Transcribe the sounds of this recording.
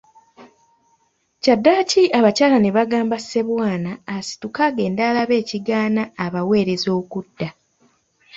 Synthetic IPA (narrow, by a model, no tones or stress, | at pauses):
cadːaːciʔaβacaːlane̞βaɡaːmbase̞βwaːnaːsi̥tukaːɡe̞ːndaːlaβe̞ːciɡaːnaːβawe̞ːɾe̞zo̞ːkudːa